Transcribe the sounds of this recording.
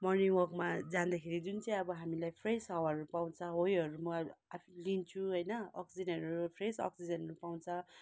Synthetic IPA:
mʌniwʌrkmad͡zand̪akʰeɾid͡zunt͡sʌj̃ʌbʌɦamilajpʰresʌwaɾupaw̃t͡sʰʌ̃ɦojʌɾumʌapʰlint͡sʰũɦʌjnʌʌ̰ksid͡zʌnʌɾpʰresʌ̰ksid͡zʌnnupaw̃nt͡sʰʌ̃

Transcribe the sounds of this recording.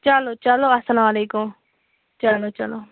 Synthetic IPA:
t͡ʃalot͡ʃaloɐsɐlamɐleːkʊm | t͡ʃalot͡ʃɐlo

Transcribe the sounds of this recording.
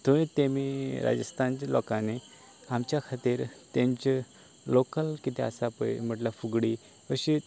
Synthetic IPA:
t̪ʰoʋĩt̪emiɾa̰d͡ʑəst̪ʰant͡ɕelɔkane | amt͡ɕjakʰat̪iːɾt̪ẽɲt͡ɕ | lokəlkit̪ʰea̰sapəjm̤əʈlafuɡɽi | əɕi

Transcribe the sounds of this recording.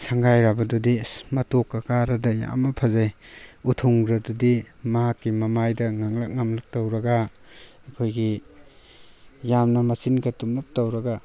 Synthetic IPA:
saŋɡajɾabɐdudimɐtokːɐkaɾɐdɐja̰mɐpʰɐzajutʰuŋɾɐdudimɐɦakːimɐmajdɐŋaŋlak̚ŋamluk̚tawɾɐɡa | ɐkʰojɡi | jamnɐmɐsinɡɐtumlak̚tawɾɐɡa

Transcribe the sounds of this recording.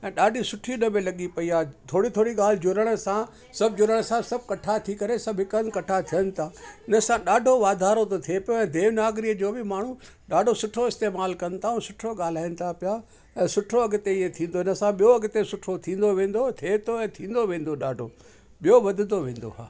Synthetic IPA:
ɛ̃ːɗaːɖʱisʊʈʰinɐbẽlɐɠipɐiaːet̪ʰoːɽit̪ʰoːɽiɠaːl̤ɪd͡ʑʊɾəɽ̃əsã | sɐb̚ʱd͡ʑʊɾəɽ̃sãsɐb̚kɐʈʰat̪ʰikɐɾesɐbʱɦɪkənkɐʈʰat̪ʰijənɪ̆t̪ʰaːɪnəsãɗaːɖʱoʋaːd̪ʱaːɾot̪ot̪ʰiepijoɛ̃ːd̪eːʋnaːɡɾid͡ʑoːbɪmaːɳ̤ũ | ɗaːɖʱosʊʈʰoɪst̪eːmaːlkɐnt̪ʰaũsʊʈʰoɠaːl̤aːɪnɪ̆t̪ʰapɪja | ɛ̃ːsʊʈʰoɐɡɪ̆t̪eɪɦet̪ʰĩːnd̪oɪnə̆sãɓijoɐɡɪt̪esʊʈʰot̪ʰĩːn̆d̪oʋẽːn̆d̪ot̪ʰeːt̪ʰoɛ̃ːt̪ʰĩːn̆d̪oʋẽːn̆d̪oɗaːɖʱo | ɓijoʋɐd̪ʱɪnd̪oʋẽːnd̪o̰ɦa̰ː

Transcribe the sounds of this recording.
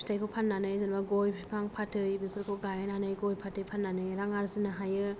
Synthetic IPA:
stʰajkʰopʰanːanɯjzɯnbaɡɔjpʰipʰaŋpʰatʰɯjbikʰɯɾkʰoɡajnanɯjɡɔjpʰatʰɯjpʰanːanɯjɾaŋaɾzɯnaɦajɯ

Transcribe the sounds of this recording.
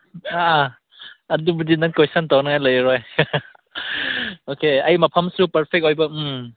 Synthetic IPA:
a | ɐdubudinaŋkejsantawnaŋajləjɾɔj | okeɐjmɐpʰamsupɐɾpʰek̚ojbɐ

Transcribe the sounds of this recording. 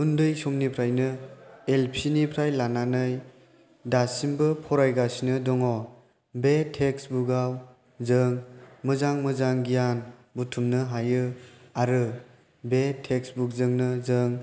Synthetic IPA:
undɯjsomnipʰɾajnɯelpʰinipʰɾajlananɯj | dasimbɯpʰɔɾajɡasinɯdɔŋɔ | betʰeksbuɡaw | zɯŋmɯzaŋmɯzaŋɡijanbutʰumnɯɦajɯaɾɯ | betʰeksbuk̚zɯŋnɯzɯŋ

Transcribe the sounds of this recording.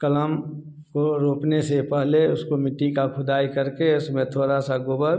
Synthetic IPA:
kələm | koɾoːpnesepəɦleʊskomɪʈːikakʰʊd̪aːjkəɾkeʊsmẽt̪ʰoːɾasaɡoːbəɾ

